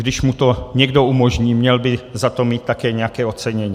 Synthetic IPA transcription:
ɡdɪʃmut̪o̞ɲɛɡdo̞umoʒɲiːmɲɛlbɪzat̪o̞miːt̪̚t̪ːakɛːɲɛjakɛːot̪t͡sɛɲɛɲiː

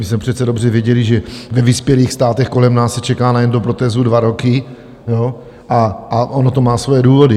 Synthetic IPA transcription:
mɪsmɛpr̝̥ɛt̪t͡sɛdo̞brɛvjɛɟɛlɪʒɛvɛvɪspjɛliːxst̪aːt̪ɛxko̞lɛmnaːsːɛt͡ʃɛkaːnajɛndopɾo̞t̪ɛːzudvaɾo̞kɪ | jo̞ | ʔaʔaʔonot̪o̞maːsvojɛduːvo̞dɪ

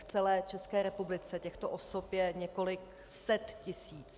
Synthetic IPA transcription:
ft͡sɛlɛːt͡ʃɛskɛːɾɛpublɪt͡sɛcɛxt̪oʔosopjɛɲɛko̞lɪk | sɛt̪cɪsiːt͡s

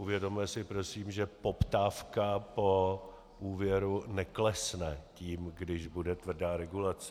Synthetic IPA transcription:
ʔuvjɛdo̞mjɛsɪpɾo̞siːmʒɛpo̞pt̪aːfkapo̞ | ʔuːvjɛɾunɛklɛsnɛciːmɡdɪʒbudɛt̪vr̩daːɾɛɡulat͡sɛ

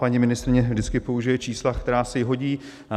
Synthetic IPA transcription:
aɲɪmɪnɪst̪ɾɪɲɛvdɪt͡skɪpo̞uʒɪjɛt͡ʃiːslakt̪ɛɾaːsɛɦo̞ɟiː

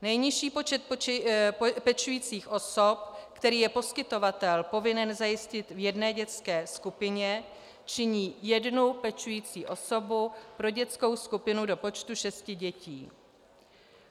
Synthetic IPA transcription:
nɛjɲɪʃiːpo̞t͡ʃɛt̪̚ | pɛt͡ʃujiːt͡siːxʔo̞sop̚kt̪ɛɾiːjɛpo̞skɪt̪o̞vat̪ɛlpo̞vɪnɛnzajɪscɪt̪vjɛdnɛːɟɛt͡skɛːskupɪɲɛ | t͡ʃɪɲiːjɛdnupɛt͡ʃujiːt͡siːʔo̞so̞bupɾo̞ɟɛt͡sko̞wskupɪnudo̞po̞t͡ʃt̪uʃɛscɪɟɛcḭː

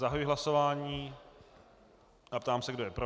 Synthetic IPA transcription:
zaɦajuːɦlaso̞vaːɲiː | ʔapt̪aːmsɛɡdo̞jɛpɾo

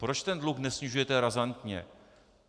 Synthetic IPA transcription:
pɾo̞t͡ʃt̪ɛndluxnɛsɲɪʒujɛt̪ɛɾazant̪ɲɛ̰

